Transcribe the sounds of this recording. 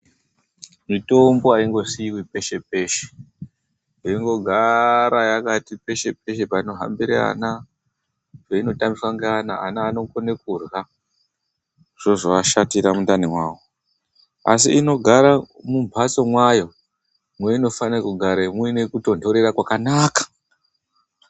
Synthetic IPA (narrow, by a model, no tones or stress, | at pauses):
mito̞mbo̞aiŋɡo̞siːwipe̞ʃe̞p̚e̞ʃe̥ | eiŋɡo̞ɡʱaɾajakatipe̞ʃe̞p̚e̞ʃepaino̞ɦa̰mbiɾea̰na | peino̞tambiswaŋɡeanaa̰naːno̞konekurɣa | ʐ̥o̞ʐoaʃatiɾamundanimwaːwo | a̰siino̞ɡʱaɾamumbʱat͡so̞mwajo̞ | mweino̞fankuɡʱaɾaimwenekuto̞ndo̞ɾe̞ɾakwakanaːkḁ